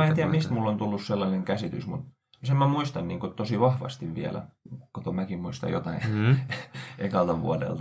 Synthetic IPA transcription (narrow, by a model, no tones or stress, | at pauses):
ent̪iæmmist̪mulːont̪ulːusselːɑineŋkæsit̪ysmut̪ | semmæmuist̪ɑnniːŋkot̪osiʋɑhʋɑ̰st̪iʋʋḭælæ̰kot̪omækimmuist̪ɑ̰jot̪ɑin | ʔekɑlt̪ɑʋʋṵɑdḛlt̪